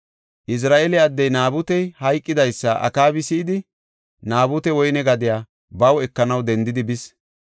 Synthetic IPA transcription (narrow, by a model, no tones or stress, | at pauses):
ʔɪs̬ɾaːʔelɛɐd̪ːɛjnaːbʊt̪ɛjhɐjkʼːɪd̪ɐjsːɐʔɐ̰kaːbɪsɪːd̪ɪ | naːbʊt̪ɛwɔjnɛɡɐd̪ɪjaː | bɐwɛkːɐnɐwd̪ɛnd̪ɪd̪ɪbɪs